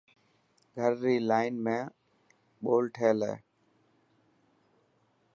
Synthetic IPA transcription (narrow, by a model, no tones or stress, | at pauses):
ɡʱəɾːiːlaːɪnmẽː | ɓoːlʈʰeːlḛː